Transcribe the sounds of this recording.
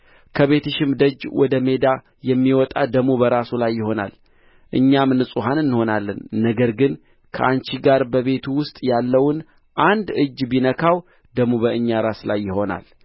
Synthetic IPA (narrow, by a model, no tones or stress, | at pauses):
kʰəβe̞t̪ʰəʃɪmd̪əd͡ʒwɔd̪əme̞d̪a | jɛmːiwɔt̪ʼad̪əmubəɾasulajːɪho̞na̰l | ʔɨɲːamnɨsʼuɦanɨnːɨho̞nalːə̰nːəɡəɾɡɨn | kʰə̰ʔant͡ʃiɡaɾbəβe̞t̪ʰuwʊst̪ʼjalːəwʊn | ʔand̪ɨd͡ʒːbinəkʰaw | d̪̥əmubəɨɲːaɾasla̰jːɪho̞na̰l